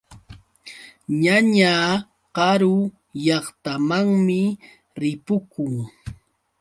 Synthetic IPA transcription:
ɲaɲaː | ɢɑɾʊ | jɑχt̪amaŋmɪ | ɾɪpʊkʊŋ

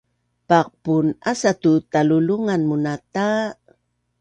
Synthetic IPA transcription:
paq̚punasat̪ut̪aluluŋanmunat̪a

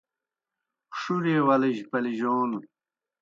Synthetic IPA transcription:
ʂuɾeːwɐliʑpɐliʑoːn

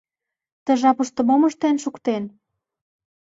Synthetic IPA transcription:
t̪ə̆ʒɑpəʃt̪ə̆moməʃt̪enʃukt̪en

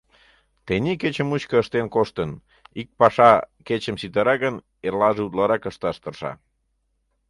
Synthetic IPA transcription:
t̪enʲiket͡ɕəmuɕkəəʃt̪enkoʃt̪ən | ik̚pɑʃɑket͡ɕəmsit̪əɾɑɣən | erlɑʒeud̪lɑɾɑkəʃt̪ɑʃt̪ərʃɑ̰

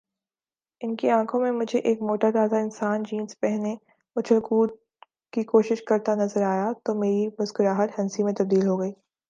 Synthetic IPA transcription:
ɪnkiãːkʰõmẽmʊd͡ʒʱeʔeːkmoːʈat̪aːzaɪnsaːnd͡ʒiːnspɛɦne | mɐt͡ʃʰəlkuːt̪ | kikoːʃɪʃkɐɾt̪anɐzəɾaːjat̪omeːɾimʊzkʊɾaːɦət̪hɛnsimẽt̪ɐb̚d̪iːlɦoɡɐiː

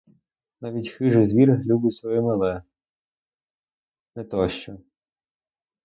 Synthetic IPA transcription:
nɑʋʲitʲxɪʒɪzʋʲirlʲubɪsʲɔjɛmɐlˠɛ | nɛt̪ɔʃt͡ʃɔ

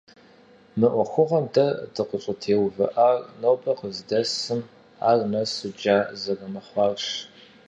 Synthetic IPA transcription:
mɨʔʷɔxʷʊʁɐmdʰɐdʰɨqəɕʼɐtʰeːwvɐ̰ʔarnobɐqəzdɐsɨm | a̰ːrnɐsɨd͡ʒaːzɐrɐmɐχʷɑːrʂ

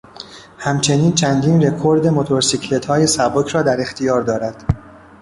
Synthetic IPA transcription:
hæmt͡ʃʰe̞niːnt͡ʃʰænd̪iːnre̞kʰo̞ɾd̪e̞mot̪ʰoɾsicʰle̞t̪hɒːje̞sæbocʰɾɒːd̪æɾe̞xt̪ʰijɒːɾd̪ɒːɾæd̪̥

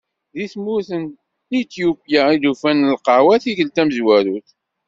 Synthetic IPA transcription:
ðiθmuθən | it̪jupjaiðufænəlqɑʕwæθiθəlt̪æməzwæɾuθ

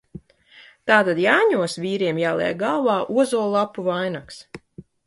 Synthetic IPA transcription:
t̪aːt̪ad̪jaːɲuɔsvʲiːɾiɛmjaːlˠɛ̰ːɡalvaːʔuɔzuɔlˠapːuvajnaks

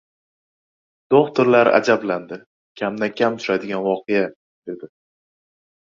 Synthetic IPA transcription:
d̪̥oχt̪ɪɾlaɾa̰d͡ʒabland̪ɪ | kʲʰamd̪akʲʰamt̪ʰʊ̥ʃad̪ɪɡʲanvɒqɨja | d̪̥e̞d̪ɪ

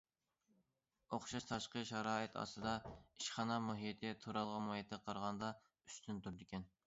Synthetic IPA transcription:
oχʃɑʃt̪ʰɑʃqəʃɑɾɑːɪt̪ʰɑ̰st̪ɨd̪ɑiʃχɑnɑmuɦijet̪ʰɪt̪ʰuɾɑlˠʁɑnmojet̪ʰɪqʰɑɾʁɑnd̪ɑ | y̥st̪ʰynt̪yɾd̪ɪkʲɛn

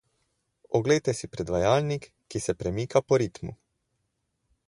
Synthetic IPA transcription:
ɔɡlejt̪ɛsipɾɛd̪ʋajaːlnikːisɛpɾɛmiːkapɔɾit̪mṵ

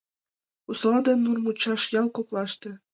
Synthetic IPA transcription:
uslˠɑd̪ɤnːurmut͡ɕːɑʃjɑlˠkoklˠɑʃt̪ɤ̆

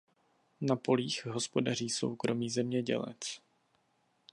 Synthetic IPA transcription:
napo̞liːxɦo̞spo̞dar̝iːso̞̰wkɾo̞miːzɛmɲɛɟɛ̰lɛ̰t͡s

